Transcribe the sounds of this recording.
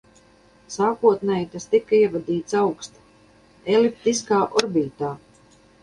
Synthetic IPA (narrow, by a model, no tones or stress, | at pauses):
saːkuɔt̪nɛːjt̪ast̪ikːaiɛvad̪iːt̪sawkst̪ | elip̚t̪iskaːʔɔɾbiːt̪aː